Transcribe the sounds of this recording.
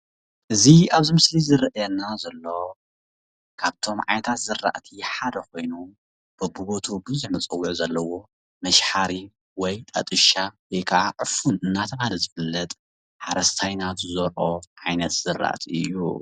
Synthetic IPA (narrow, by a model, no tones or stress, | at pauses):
ʔɨziaβzimɨslizɨɾɐʔjɛnːazɐlːo̞ | kʰaβt̪ʰo̞mʕa̰jnɐt̪ʰat̪zɨrːa̰ʔt̪ʰiħad̪ɐko̞jnu | b̥ɨbuβot̪ʰubɨzuħmɐt͡sʼɐwːuʕzɐlːɐwo̞ | mɐʃħaɾi | wɔjt̪ʼɐ̰t̪ʼɨʃawekʰaʔaʕɨfunɨnːat̪ʰɐmalɐzɨfɨlːɐt̪ʼ | ħaɾɐst̪ʰajnat̪ɨzoɾʔo̞ʕajnɐt̪z̥ɨrːa̰ʔt̪ʰiɨ̰jːṵ